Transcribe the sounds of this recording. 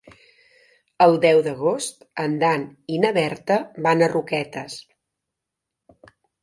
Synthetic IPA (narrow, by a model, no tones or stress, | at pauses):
əlˠd̪ɛwðəɣ̞ost̪ənd̪aninəβɛɾt̪əbanərukɛt̪əs